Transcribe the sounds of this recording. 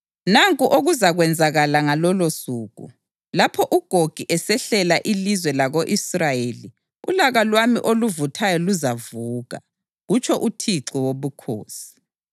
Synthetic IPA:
naŋkʼuʔoɣuzaɣwɛnd͡zʱaɣalaŋalɔlosuːɣṵ | lapʰɔʔuɡ̥ʱoɡ̥ʱiʔɛsɛɬɛlaʔilizwɛlaɣoʔisrajeli | ṵlaɣalwamḭʔoluvutʰajɔluzavuːɣa̰ | ɣut͡ʃʰɔʔutʰiǀiwoβukʰo̰ːsi̥

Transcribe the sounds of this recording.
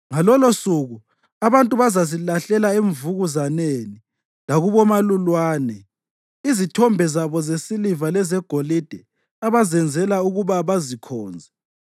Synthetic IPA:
ŋalɔlosuɣu | aβantʼuβazazilaɬɛlaeɱvuɣuzaneni | laɣuβɔmalulwaːnɛ | izitʰɔmbʱɛzaβɔzesilivalɛzɛɡ̥ʱolid̥ʱɛ | aβazɛnd͡zʱɛlauɣuβaβazikʰɔːnd͡zʱɛ

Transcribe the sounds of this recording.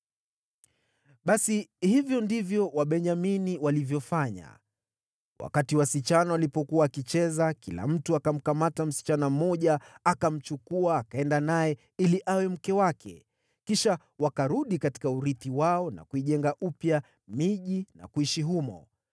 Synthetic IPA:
ɓasihivjɔndivjɔwaɓɛɲaminiwalivjɔfaɲa̰ | wʔa̰katiwasit͡ʃanawalipɔkuwaːkit͡ʃɛzakila̰m̩tuakam̩kamatam̩si̥t͡ʃanam̩mɔʄaːkam̩t͡ʃukuaːkaɛndanajɛ | iliʔawɛm̩kɛwakʰɛ̰ | kiʃa | wakaɾuɗikati̥kauɾiθiwaɔna̰kuiʄɛŋɡaʔupja | miʄina̰kuiʃiɦumɔ̰

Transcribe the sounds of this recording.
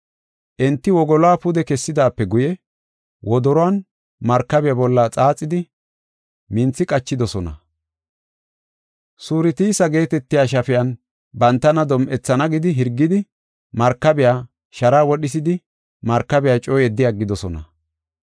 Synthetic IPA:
ʔɛnt̪ːɪwɔɡɔlɔaːpʊd̪ɛkɛsːɪd̪aːpːɛɡʊjɛ | wɔd̪ɔɾɔɐn | mɐɾkːɐbɛjaːbɔlːaːt͡sʼaːt͡sʼːɪd̪ɪ | mɪnt͡sːɪkʼɐt͡ʃːɪd̪ɔsɔnɐ̰ | suːɾɪt̪isɐɡe̞ːt̪ɛt̪ːɪjaːʃ̬ɐfɪjɐn | bɐnt̪ːɐnɐd̪ɔmʔɛt͡sːɐnɐɡɪd̪ɪɦɪɾɡːɪd̪ɪ | mɐɾkːɐbɪjaː | ʃɐɾaːwɔɗɪs̬ɪd̪ɪ | mɐɾkːɐbɛjaːt͡ʃʼɔːjɛd̪ːɪjaɡɪd̪ɔsɔnɐ̰

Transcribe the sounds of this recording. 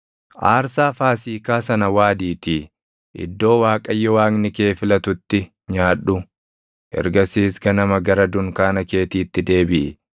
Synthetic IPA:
ʔaːɾsaːfaːsiːkaːsɐnɐwaːd̪iːt̪iː | ʔɪ̰d̪ːo̞ːwaːkʼɐjːɔwaːknɪke̞ːfɪlɐt̪ʊt̪ːɪ | ɲaːᶑʊ | ʔɛ̰ɾɡɐsiːsɡɐnɐmɐɡɐɾɐd̪ʊŋkaːnɐke̞ːt̪iːt̪ːɪd̪e̞ːbɪʔɛ

